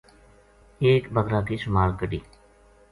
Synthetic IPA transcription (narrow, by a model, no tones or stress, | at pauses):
eːkbəɣɾaːkiːʃʊmaːɾkəɖiː